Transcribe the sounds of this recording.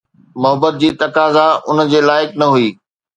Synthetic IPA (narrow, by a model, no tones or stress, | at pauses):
mʊɦəbət̪̚d͡ʑiːt̪ɐkaːzaʊnəd͡ʑeːlaːɪknɐɦuiː